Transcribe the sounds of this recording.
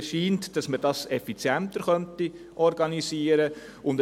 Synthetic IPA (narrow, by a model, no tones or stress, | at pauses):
ʃiːntd̥ɑsmədɑsɛfit͡sjæntəɾχœnti | ʔɔɾɡɑnisiəɾə | ʊnd